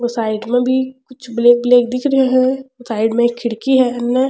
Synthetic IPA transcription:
ʋosaːɪɖmẽbʱikʊt͡ʃʰbleːk̚bleːk̚d̪ɪkʰɾəɦeɦɛosaːɪɖmẽkʰːɪɽkiɦɛɐnːɛ

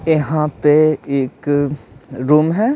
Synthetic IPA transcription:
jɐɦãpeeːk | ɾuːmɦɛː

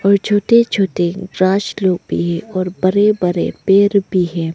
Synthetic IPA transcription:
ɔːɾd͡ʒʰʱoːʈed͡ʒʰoːʈeɡɾaːʃloːɡ̚bʱḭɦɛ̃ɔːɾbɐɾebəɾḛpeːɾbʱiɦɛ̃ː

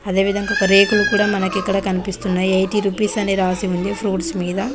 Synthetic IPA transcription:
ɐd̪e̞ːʋid̪ʱɐŋɡaːɔkɐɾe̞ːkulukuːɽaːmɐnɐkikːɐɽɐkɐnipist̪unːaːjiɐjʈiːɾupiːsɐneːɾaːsiund̪ipʰɾuːʈsmiːd̪ɐ

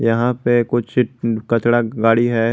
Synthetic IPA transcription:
jɐɦãpekʊt͡ʃʰkɐt͡ʃɽaɡaːɽiɦɛː

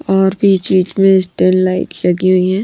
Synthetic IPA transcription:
ɔːɾbʱiːt͡ʃbiːt͡ʃmẽɪsʈənlaːɪʈlɐɡiɦʊiɦɛ̃ː

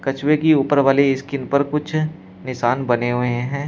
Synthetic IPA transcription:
kɐt͡ʃwekiuːpəɾʋaːleɪskɪnpəɾkʊt͡ʃʰ | nɪʃaːnbɐneɦʊẽɦɛ̃ː

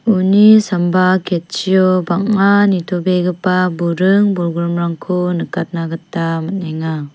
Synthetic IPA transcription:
unisambakʰet̚t͡ʃijɔbaŋanitʰɔbeɡɯpabuɾɯŋbuɾɡuɾɯmɾaŋkʰunɯkat̚naɡɯtːamaneŋa

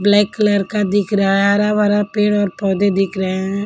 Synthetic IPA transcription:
blɛːkːləɾkad̪ɪkʰɾ̃aːɾaʋaːɾapeːɽɔːɾpɔːd̪ed̪ɪkʰɾəɛ̃

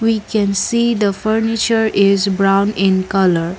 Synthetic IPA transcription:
wikɛ̃nsiːd̪əfəɾnɪt͡ʃəɾʔɪzbɾãʊ̃nɪ̃nkʌləɾ

